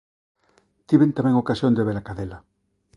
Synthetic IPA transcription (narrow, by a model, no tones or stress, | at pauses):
t̪iβent̪amɛ̃ŋokasjond̪eβeɾakaðela